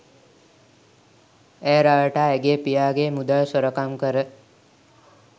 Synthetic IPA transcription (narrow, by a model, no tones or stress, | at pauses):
eːɾaʋəʈaːeɡeːpijaːɡeːmud̪aɭsoɾəkamkəɾə